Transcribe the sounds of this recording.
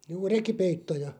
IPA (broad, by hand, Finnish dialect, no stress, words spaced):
juː rekipeitːojɑ